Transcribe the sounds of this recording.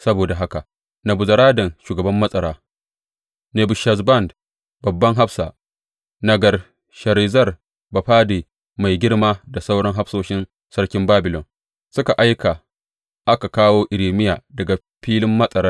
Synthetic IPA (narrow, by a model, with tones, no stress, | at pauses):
sɐ˦boː˨da˨ɦa˦ka˨ | nɐ˨bʊ˨zɐ˨ɾaː˦dɐ˨nʃuː˨ɡɐ˨bɐ˦mːɐ˦sʼɐ˨ɾaː˦ | neː˨bʊ˨ʃɐ˨zbɐ˦˨nd | bɐ˨bːɐ˦ŋɦa˦ɸsaː˨ | nɐ˨ɡɐ˨r | ʃɐ˨ɾiː˨zɐ˦˨r | bɐ˨ɸaː˦deː˨ | ma˨jɡʲɪ˦ɽmaː˦da˨sa˦wɽɐ˦ŋɦa˦ɸsoː˦ʃɪ˦n | sɐ˦ɽkʲɪ˦mbaː˦bɪ˨lɔ˨n | sʊ˦ka˨ʔa˦jka˨ | ʔa˦ka˨kaː˦woː˦ʔɪ˨ɾiː˨mɪ˦jaː˨dɐ˨ɡa˨ | ɸiː˦lɪ˦mːɐ˦sʼɐ˨ɾɐ˦